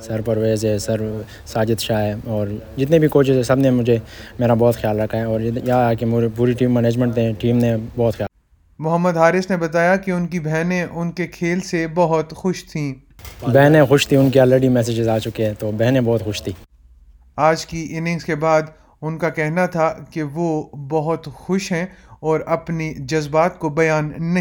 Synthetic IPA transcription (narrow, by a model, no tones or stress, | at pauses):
sɐɾpɐɾweːzɦɛsɐɾ | saːd͡ʒɪt̪ʃaːɦɛːɔːɾd͡ʒɪt̪nẽbʱikoːt͡ʃɪzɛsɐbnemʊd͡ʒʱemeːɾabɔːt̪xjaːlɾɐkʰːaɦɛɔːɾjaːkempuːɾiʈiːmːɛneːd͡ʒmə̃ɳʈ̪ẽʈiːmnebɔːt̪xjaː | mʊɦəmːəd̪ɦaːɾɪʃnebɐt̪aːjakeʊnkibɛɦnẽʔʊnkekʰeːlsebɐɦʊt̪xʊʃt̪ʰĩː | bɛɦnẽxʊʃt̪ʰiʊnkiɔːleɖimɛːs̬ed͡ʒɪzaːt͡ʃʊkeɦɛ̃t̪oːbɛɦnẽbɔːt̪xʊʃt̪ʰiː | aːd͡ʒkiʔɪnɪ̃ŋskebaːd̪ | ʊnkakɛɦnat̪ʰakeʋobɐɦʊt̪xʊʃɦɛ̃ɔːɾɐpnid͡ʒɐzbaːt̪̚kobɐjaːnːɐ